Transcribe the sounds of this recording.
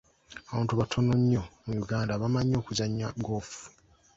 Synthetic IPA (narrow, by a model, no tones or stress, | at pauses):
aβãːntuβatʰo̞noɲːo̞mujuɡaːndaβamaɲːo̞ːkuzaɲːaɡo̞ːfu̥